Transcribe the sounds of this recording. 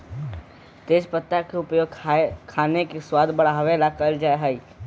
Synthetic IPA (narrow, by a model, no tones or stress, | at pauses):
t̪eːd͡ʒpət̪ːakeʊpjoːɡkʰaːnekeswaːd̪bɐɽaɦɐʋɛlakəld͡ʒaːeɦai